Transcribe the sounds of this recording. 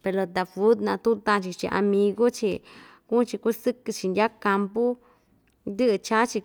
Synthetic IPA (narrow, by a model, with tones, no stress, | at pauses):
pe˨˧lo˧d̪a˨fu˦d̪nã˧t̪ũ˦t̪ã˧t͡ʃi˧t͡ʃḭ˧ʔa̰˧mĩ˧ɡo˦t͡ʃi˧ku˦t͡ʃi˧ku˦sɨ˦kɨ˧t͡ʃi˧nd̪ʲa˦ka˧mpu˦ | d̪ɨ˦ɨ˧t͡ʃa˦t͡ʃi˧